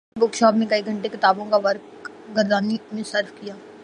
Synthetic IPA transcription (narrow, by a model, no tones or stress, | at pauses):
bʊɾkʃɔːpnẽkɐiɡʱə̃ɳʈekɪt̪aːbõkaʋɐɾk | ɡəɾd̪aːnimẽsɐɾfkijaː